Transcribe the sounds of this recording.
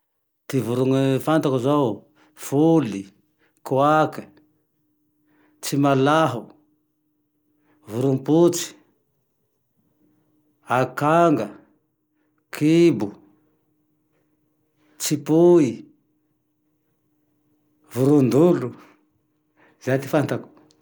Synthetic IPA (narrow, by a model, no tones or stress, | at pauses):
t̪ivuɾuŋifant̪akuzow | fuli | kuaki | t͡ʃimalaɦu | vuɾumput͡si̥ | akaŋɡa | kʰibu | t͡ʃipui | vuɾund̪ulu | z̥at̪i̥fant̪aku̥